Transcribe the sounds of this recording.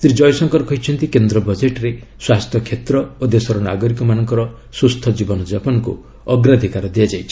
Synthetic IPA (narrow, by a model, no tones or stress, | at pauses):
st̪ɾid͡ʒɔjɔsɔŋkɔɾkɔɦjt͡ʃʰɔnt̪ikend̪ɾɔbɔd͡ʒeʈɾe | swast̪ʰjɔkʰet̪ɾɔod̪esɔɾɔna̰ɡɔɾikɔmanɔŋkɔɾɔ | sust̪ʰɔd͡ʒibɔnɔd͡ʒapɔnɔkṵ | ɔɡɾad̪ʱikaɾɔd̪iad͡ʒajt͡ʃʰi̥